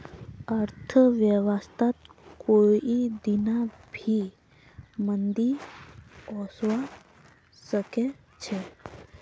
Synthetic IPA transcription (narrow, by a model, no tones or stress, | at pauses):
əɾt̪ʰəʋjəʋəst̪ʰat̪koid̪inabʱi | mənd̪i | ɔsʋa | səkɛ | t͡ɕʰɛ